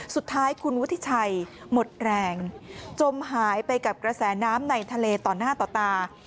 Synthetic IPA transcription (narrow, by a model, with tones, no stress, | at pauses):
su˨˩t̪ʰːaː˦˥jkʰu˧nwt̪ʰi˧˥˩t͡ɕʰa˧jmo˨˩t̪̚ɾɛː˧ŋt͡ɕo˧mɦaː˩˦jpa˧jka˨˩p̚kɾa˧sɛː˩˦naː˦˥mna˧jt̪ʰa˧leː˧t̪ɔː˨˩naː˥˩t̪ɔː˨˩t̪aː˧